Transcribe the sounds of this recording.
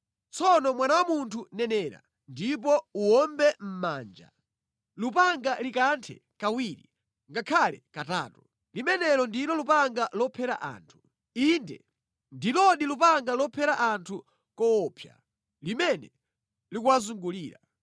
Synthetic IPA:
t͡sɔnɔmwanawamuntʰunɛnɛːɾa̰ | ndip̬ɔuwɔmbɛm̩maːnd͡ʒa̰ | lupaŋɡalikantʰɛ̰ | kawiɾi | ŋɡakʰalɛkata̰ːtu | limɛnɛlɔndilɔlupaŋɡalɔpʰɛɾa̰ʔa̰ːntʰu̥ | indɛ̰ | ndilɔɗilupaŋɡalɔpʰɛɾaʔantʰu | kɔɔpʰja̰ | limɛnɛ | likuwazuŋɡuliːɾa

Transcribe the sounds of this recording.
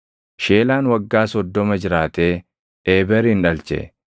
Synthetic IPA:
ʃeːlaːnwɐɡːaːsɔd̪ːɔmɐd͡ʒɪɾaːt̪eː | eːbɛɾɪnᶑɐlt͡ʃɛ̰

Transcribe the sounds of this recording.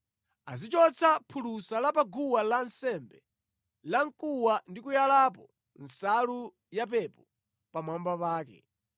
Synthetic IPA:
azit͡ʃɔt͡sʰapʰulusalapaɡuwalansɛmbɛ | laŋkʼuwandikujalapɔ | nsalu | jap̬ɛpɔ | pamambapaːkɛ̰

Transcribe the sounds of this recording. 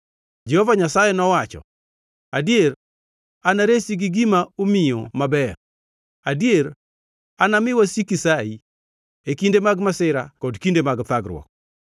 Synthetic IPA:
d͡ʒɛhovaɲasajɛnɔwat͡ʃɔ̰ | adjeɾ | anaɾesiɡɪɡimaomijomabɛ | adieɾ | anamɪwasikisai | ekindemaɡmasɪɾakɔdkindemaɡt̪aɡɾwɔ̰k̚

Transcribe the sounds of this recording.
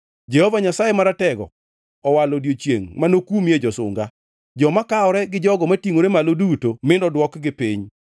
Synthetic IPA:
d͡ʒɛhɔvaɲasajemaɾatɛɡɔ̰ | ɔwalodjot͡ʃjḛŋmanokumjed͡ʒɔsʊ̰ŋɡa | d͡ʒɔmakaɔɾɛɡɪd͡ʒɔɡɔmatiŋoɾemalodutomɪndɔdwɔkɡɪpiɲ

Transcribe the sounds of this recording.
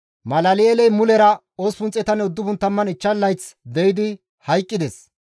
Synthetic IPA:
mɐlɐlɪelɛjmʊlɛɾɐ | oːspʊnt͡sʼːɛt̪ɐnːɛʊd̪ːʊbʊnt̪ːɐmːɐnɪt͡ʃːɐlːɐjt͡sd̪ɛjɪd̪ɪ | hɐjkʼːɪd̪ɛs

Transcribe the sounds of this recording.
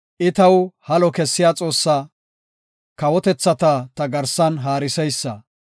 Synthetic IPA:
ʔɪt̪ɐwhɐlɔkɛsːɪjaːt͡sʼo̞ːsːaː | kɐwɔt̪ɛt͡sːɐt̪ɐt̪ɐɡɐɾsɐnɦaːɾɪsɛjsːɐ̰

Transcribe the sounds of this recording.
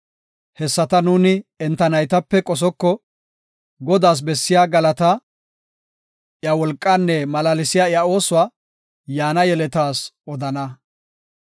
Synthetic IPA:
hɛsːɐt̪ɐnuːnɪɛnt̪ːɐnɐjt̪ɐpːɛkʼɔs̬ɔkːɔ | ɡɔd̪aːs̬bɛsːɪjaːɡɐlɐt̪ɐ | jɐwɔlkʼːanːɛmɐlaːlɪsɪjaːɪjɐo̞ːsʊwaː | jaːnɐjɛlɛt̪aːsɔd̪ɐnɐ

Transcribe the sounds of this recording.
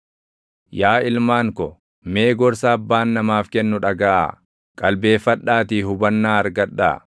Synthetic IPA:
jaːɪlmaːŋkɔ | me̞ːɡɔɾsaːbːaːnːɐmaːfkɛnːʊᶑɐɡaʔa̰ː | kʼɐlbe̞ːfːɐᶑaːt̪iːɦʊbɐnːaːɐɾɡɐᶑːa̰ː

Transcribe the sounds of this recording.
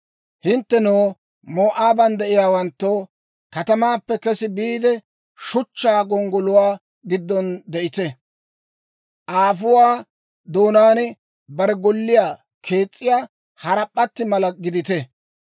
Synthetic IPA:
hɪnt̪ːɛnoː | moːʔaːbɐnd̪ɛʔɪjaːwɐnt̪ːoː | kɐt̪ɐmaːpːɛkɛsɪbiːd̪ɛ | ʃʊt͡ʃːaːɡɔŋɡɔlʊwaː | ɡɪd̪ːɔnd̪ɛʔɪt̪ɛ | ʔaːfʊwaː | d̪oːnaːnɪ | bɐɾɛɡɔlːɪjaː | kʰe̞ːt͡sʼːɪjaː | hɐɾɐpʼːɐt̪ːɪmɐlɐɡɪd̪ɪt̪ɛ

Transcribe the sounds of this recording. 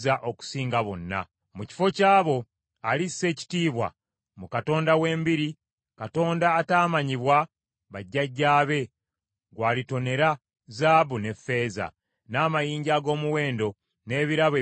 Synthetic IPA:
zaʔo̞ku̥siːŋɡaβonːa̰ | muci̥fo̞caːβo̞ | alisːe̞ːci̥tiːβwa̰ | mukato̞ːndawe̞ːmbiɾi | kato̞ːndaːtaːmaɲiβwa | βaɟːaɟːaːβe̞ | ɡwaːlito̞ne̞ɾa | zaːβune̞fːe̞ːza̰ | naːmajiːɲɟaːɡo̞ːmuwe̞ːndo̞ | ne̞ːβiɾaβe

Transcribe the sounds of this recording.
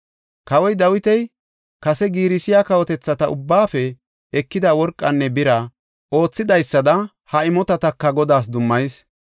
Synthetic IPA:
kɐwɔjd̪ɐwɪt̪ɛj | kɐsɛɡiːɾɪsɪjakɐwɔt̪ɛt͡sːɐt̪ɐʊbːaːfɛ | ɛkːɪd̪ɐwɔɾkʼːɐnːɛbɪɾɐ | o̞ːt͡sːɪd̪ɐjsːɐd̪ɐ | hɐɪmɔt̪ɐt̪ɐkːɐɡɔd̪aːs̬d̪ʊmːɐjs

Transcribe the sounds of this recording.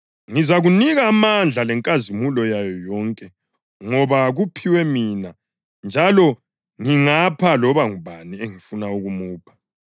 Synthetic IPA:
ŋizaɣuniɣaːmand͡ɮʱalɛŋkʼazimulɔjajɔjɔŋkʼɛ | ŋɔβaɣupʰiwɛmina | nd͡ʒʱalɔ | ŋiŋapʰalɔβaŋuβanieŋifunauɣumuːpʰḁ

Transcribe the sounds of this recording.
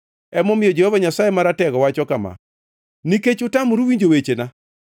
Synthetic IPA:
ɛmɔmɪjɔd͡ʒehovaɲasajemaɾatɛɡɔwat͡ʃɔkama̰ | niket͡ʃʊtamuɾuwiɲd͡ʒowet͡ʃena

